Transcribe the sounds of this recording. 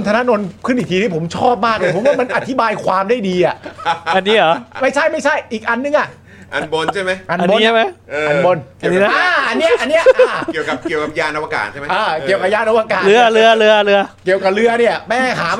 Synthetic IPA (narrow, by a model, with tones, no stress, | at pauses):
nt̪ʰa˧na˦˥no˧nkʰɯ˥˩nʔi˨˩kt̪ʰiː˧t̪i˥˩po˩˦mt͡ɕʰɔː˥˩p̚maː˥˩k̚naː˧˩pʰo˩˦waː˥˩ma˧nʔa˨˧t̪ʰi˦˥baː˧jkʰwaː˧mda˥˩jdiː˧ʔa˨˩ʔa˧nːiː˦˥ɔː˨˦ma˥˩jt͡ɕʰa˥˩jma˥˩jt͡ɕʰa˥˩jʔiː˨˩k̚ʔa˧nːɯ˧ŋʔa˨˩ | ʔa˧nbo˧nʰa˥˩jma˦˥jʔa˧n˧nba˥˩ma˦˥jʔa˧nbo˧n˨˩ni˦˥na˦˥a˧˩ʔa˧nːi˦˥ɐ˧ʔa˧nːi˦˥˨ʔi˨˩əka˨˩p̚ki˨˩əwka˨˩p̚jaː˧˩nʔa˧waː˧ka̰ː˨˩t̪ʰa˥˩ma˦ʔəː˦˧˩ki˨˩əwka˨˩p̚jaː˧nʔa˧waː˧kaː˨˩lɯ˦˥ɐlɯ˦˥ɐlɯ˦˥ɐlɯ˦˥ɐki˨˩əwka˨˩p̚lɯ˦˥ɐni˥˩ɐmɛː˥˩ɦaː˩˦